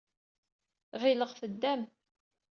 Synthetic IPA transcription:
ʁiləʁfəd̪ːæm

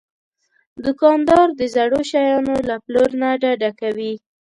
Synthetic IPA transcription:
d̪ʊkɑnd̪ɑɾd̪əzaɽoʃajɑnolaploɾnaɖaɖakawi

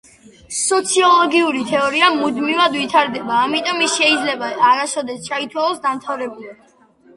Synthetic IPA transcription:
sɔt̪sʰiɔlˠɔɡiuɾit̪ʰɛɔɾiamud̪mivad̪vit̪ʰaɾd̪ɛbaːmit̪ʼɔmisʃɛid̪zlɛbaːɾasɔd̪ɛst͡ʃʰait̪ʰwalˠɔsd̪amt̪ʰavɾɛbuli

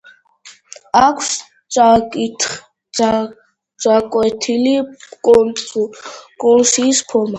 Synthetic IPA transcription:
akʷʰs | sʼakʼit̪ | t͡sʼakʼwɛt̪ʰili | kʼɔnsiːspʰɔɾma

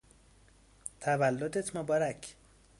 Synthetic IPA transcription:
t̪ʰævælːod̪et̪ʰmobɒɾækʰ

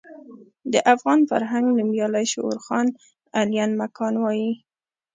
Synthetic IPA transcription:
d̪əʔafɣɑnfa̰ɾɦaŋɡləmjɑlajʃo̰ʊ̰ɾxɑn | alijanmakʰɑnwɑji

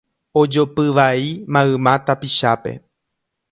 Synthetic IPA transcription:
od͡ʒopɨʋaimãɨmãt̪apiʃape̞̰

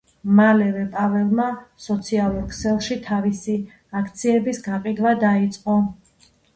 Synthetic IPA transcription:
malɛvɛpʼavɛlˠmasɔt̪sʰialˠuɾkʰsɛlˠʃit̪ʰavisi | akʰt̪sʰiɛbisɡaqʼid̪vad̪ait̪sʼqʼɔ

